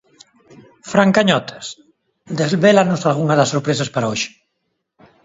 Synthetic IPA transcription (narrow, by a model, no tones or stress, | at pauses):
fɾaŋkaɲɔt̪e̥s | d̪ezβelanosalɣuŋaðasːoɾpɾesaspaɾaoʃɪ̥